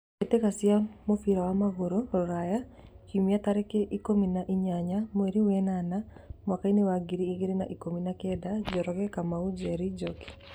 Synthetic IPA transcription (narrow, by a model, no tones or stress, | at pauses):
ketekasiamofiɾawamaɣoɾoɔɾaja | kimiataɾɛkeʔikominaʔiɲaɲamoeɾiwɛnanamwakainewaɡiɾiːɣiɾina̰ʔikominakɛdad͡ʒɔɾɔɣɛkamaud͡ʒɛɾid͡ʒoki̥